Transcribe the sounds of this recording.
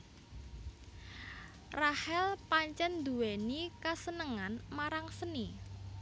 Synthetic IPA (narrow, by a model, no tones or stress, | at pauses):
rahɛlpaɲt͡ʃɛnd̪uwenikasənəŋanmaɾaŋsəni